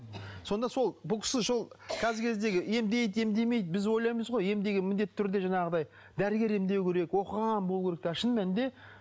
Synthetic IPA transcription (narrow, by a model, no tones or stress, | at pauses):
so̞nd̪ɑso̞lˠbʊlˠkʰʲɪ̥sɪʃolˠkʲʰæzɪɾkʲʰe̞zd̪e̞ɡʲɪe̞md̪e̞jt̪e̞md̪e̞jme̞jd̪bɪzwojlˠɑjməzʁo̞je̞md̪e̞ɡʲɪmɪnd̪e̞t̪ːɪt̪ʰːʏɾd̪e̞ʒɑɴɑʁəd̪ɑj | d̪æɾɪɡʲe̞ɾe̞md̪e̞wkʲʰe̞ɾe̞kwo̞qəʁɑnbolˠuwkʲeɾek̚t̪ʰæʃənmænd̪e̞